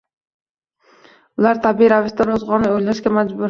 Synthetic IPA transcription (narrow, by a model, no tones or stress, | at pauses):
ʊlaɾt̪ʰabɪɾavɪʃt̪aɾozʁɒnɪojlaʃɡʲamad͡ʒbʊɾ